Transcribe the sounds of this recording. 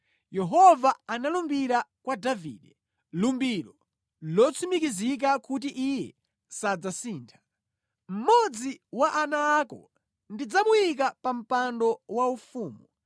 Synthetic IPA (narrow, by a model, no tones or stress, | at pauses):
jɛɦɔvaanalumbiɾakwadavḭːɗɛ | lumbiɾɔ | lɔt͡sʰumikizik̬akut̬iʔijɛ | sad͡zasiːntʰḁ | m̩mɔd͡ziwaʔanaːkɔ̰ | ndid͡zamujik̬apam̩pandɔwaufuːmu